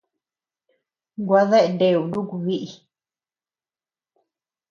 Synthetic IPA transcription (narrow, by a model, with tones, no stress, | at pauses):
ŋɡʷa˧˦ðe˦ʔe˧nde˧˨u˨ndu˦ku˧βi˦ʔi˧